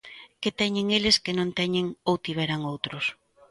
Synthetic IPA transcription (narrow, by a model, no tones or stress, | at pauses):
ket̪ɛɲeŋeleskenõnt̪ɛɲeŋowt̪iβ̞ɛɾaŋowt̪ɾʊs